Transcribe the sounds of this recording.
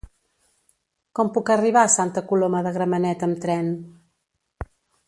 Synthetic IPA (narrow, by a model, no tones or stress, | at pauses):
kɔmpukəriβ̞asant̪əkuloməðəɣɾəmənɛt̪əmt̪ɾɛn